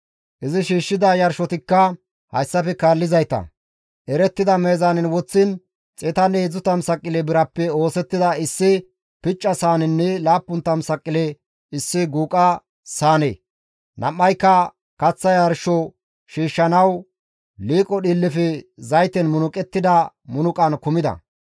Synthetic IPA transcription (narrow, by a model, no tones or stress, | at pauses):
ʔɪzɪʃiːʃːɪd̪ɐjɐɾʃɔt̪ɪkːɐ | hɐ̰jsːɐfɛkaːlːɪzɐjt̪ɐ̰ | ʔɛɾɛt̪ːɪd̪ɐmeːzanɛnwɔt͡sːɪn | t͡sʼɛt̪ɐneːd͡zʊt̪ɐmsɐkʼːɪlɛbɪɾɐpːɛo̞ːsɛt̪ːɪd̪ɐɪsːɪ | pɪt͡ʃʼːɐsaːnɛnːɛlaːpːʊnt̪ːɐmsɐkʼːɪlɛ | ɪsːɪɡuːkʼɐ | saːnḛː | nɐmːɐjkːɐ | kɐt͡sːɐjɐɾʃɔ | ʃiːʃːɐnɐw | liːkʼːɔɗiːlːɪfɛzɐjt̪ɛnmʊnʊkʼɛt̪ːɪd̪ɐ | mʊnʊkʼɐnkʊmɪd̪ɐ̰